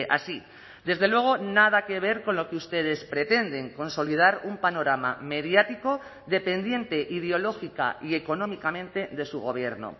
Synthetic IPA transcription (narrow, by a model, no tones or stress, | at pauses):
ʔa̰si | d̪e̞zðe̞lwe̞ɣ̞o̞nað̞ake̞β̞e̞ɾko̞nlo̞keust̪e̞ð̞e̞spɾe̞t̪e̞nd̪e̞ŋko̞nso̞lið̞aɾumpano̞ɾama̰me̞ðjat̪iko̞ | ðe̞pe̞nd̪je̞nt̪e̞ʔið̞eo̞lo̞xika̰ie̞ko̞nõ̞mikamẽnt̪e̞ðe̞suɣo̞̰βje̞ɾno̰